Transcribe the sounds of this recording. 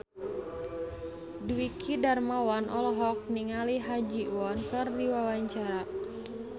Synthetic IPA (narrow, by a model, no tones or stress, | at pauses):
duwikʰidarmawanʔɔlɔɦɔk̚niŋaliɦad͡ʒiwɔnkɨrdiwawaɲt͡ʃaɾa